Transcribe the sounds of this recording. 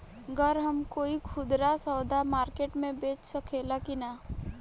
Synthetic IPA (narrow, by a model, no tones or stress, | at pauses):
ɡəɾɦɐmkoːikʰʊd̪ɾasɔːd̪amaːɾkeːʈmẽbeːt͡ʃsɐkʰeːlakina